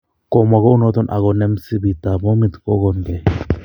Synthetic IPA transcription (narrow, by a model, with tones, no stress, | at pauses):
ko˨ma˨ɣo˦u˦no˦t̪o˦nʔa̰˨ɣo˨nɛ˦msi˦bi˨t̪a˨bo˦mit̪ko˦ɡond̪e˨